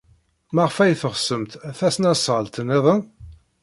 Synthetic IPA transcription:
mæʁfæjθəʁsəmt̪æθæsnæsʁəlt̪əneðˤən

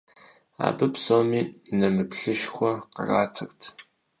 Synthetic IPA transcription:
a̰ːbɨpsoːmiːnɐmɨpɬɨʃxʷɔqə̰raːtʰɐrtʰ

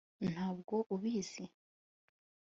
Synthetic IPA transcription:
n̥haːbɡo̞ʔuβiːz̥i

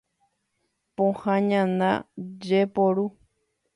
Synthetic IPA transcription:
põhãɲãnã̰d͡ʒepoɾu

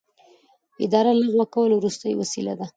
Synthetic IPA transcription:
ɪd̪ɑɾaləɣwəkawəlwɾust̪əjwasila̰d̪a

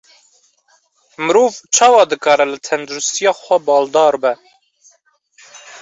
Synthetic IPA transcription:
mɨɾuːvt͡ʃʰɑːwɑːd̪ɨkɑːɾɛlɨt̪ʰɛnd̪uɾust̪ijɑːxʷɛbɑːld̪ɑːɾbɛ

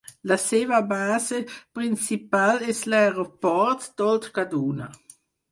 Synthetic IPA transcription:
laseːvabaːzepɾint͡sipalɛslaɾopɔɾt̪d̪̥ɔlt̪kad̪uːna

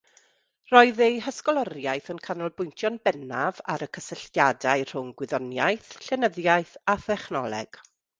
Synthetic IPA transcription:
rɔɨðejɦəskɔlˠɔɾjajθənkʰanɔlˠbʊjntʰjɔnbɛnava̰ɾəkʰəsəɬjadaɨr̥ʊŋɡwɪðɔnjajθɬɛnəðjajθaθɛχnɔlˠɛ̰ɡ̥

